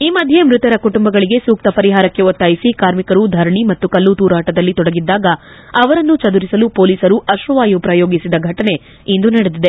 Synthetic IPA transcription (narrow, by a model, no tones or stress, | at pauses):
iːmɐd̪ʱje̞mɾut̪ɐɾɐkuʈumbɐɡɐɭiɡe̞suːk̚t̪ɐpɐɾiɦaːɾɐkːe̞ot̪ːajisikaːɾmikɐɾud̪ʱɐɾɳimɐt̪ːukɐlːut̪uːɾaːʈɐd̪ɐlːit̪ɔɽɐɡid̪ːaːɡɐ | ɐʋɐɾɐnːut͡ʃɐd̪uɾisɐlupo̞ːliːsɐɾuʔɐʃʋɐʋaːjupɾɐjoːɡisid̪ɐɡʱɐʈɐne̞ | ind̪unɐɽed̪id̪e̞